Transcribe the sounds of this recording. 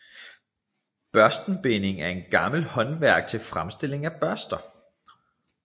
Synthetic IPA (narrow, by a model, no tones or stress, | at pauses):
b̥ɶɐsd̥n̩b̥e̝ne̝ŋæɐe̝nɡ̥ɑ̈ml̩hɒ̽nʋæɐɡ̥̚t͡sʰe̝lfʁamsd̥e̝le̝ŋæb̥ɶɐsd̥ɐ